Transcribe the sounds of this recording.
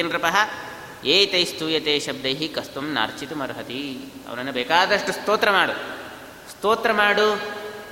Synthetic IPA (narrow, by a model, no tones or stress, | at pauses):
ind̪ɾɐpɐɦɐ | eːt̪ɐjst̪uːjɐt̪eːʃɐb̚d̪ɐjɦikɐst̪umna̰ːɾt͡ʃit̪umɐɾɦɐt̪i | ɐ̰ʋɐnɐnːɐbeːkaːd̪ɐʂʈust̪oːt̪ɾɐmaːɽu | st̪oːt̪ɾɐmaːɽu